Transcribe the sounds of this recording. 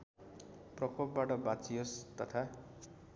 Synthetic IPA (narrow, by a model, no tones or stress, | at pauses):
prʌkʰop̚baʈʌbatt͡sijʌst̪ʌt̪ʰa